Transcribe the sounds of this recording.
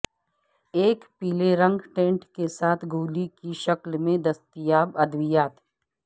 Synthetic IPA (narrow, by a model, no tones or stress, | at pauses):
eːkpiːleɾɐ̃ŋɡʈẽːɳʈkesaːt̪ʰɡʱuːlikiʃɐklmẽd̪ɐst̪ijaːbɐd̪ʋijaːt̪